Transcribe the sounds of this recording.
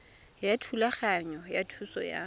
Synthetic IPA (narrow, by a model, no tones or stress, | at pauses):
jatʰulaχaɲɔjatʰusɔ̰ja̰